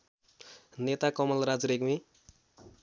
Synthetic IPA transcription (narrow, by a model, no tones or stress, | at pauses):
net̪akʌmʌlɾad͡zɾekmi